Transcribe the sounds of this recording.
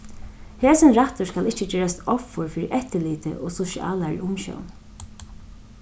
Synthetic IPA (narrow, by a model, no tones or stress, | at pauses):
heːsənɾaht̪ʊskalɪht͡ʃət͡ɕɛːɹast̪ɔfʊɹfiːɾɪʔɛht̪əliːt̪ə̰ʔɔ̰ːsʊʃɪʔa̰ːlaɹḭʔʊmʃɔ̰wn